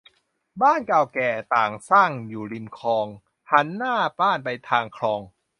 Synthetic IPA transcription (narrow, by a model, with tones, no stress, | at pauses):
baː˥˩nkaː˨˩wkɛː˨˩t̪aː˨˩ŋsaː˥˩ŋjuː˨˩li˧mkʰɔː˧ŋ | ha˨˦˥nːaː˥˩baː˥˩npa˧jt̪ʰaː˧ŋkʰɾɔː˧ŋ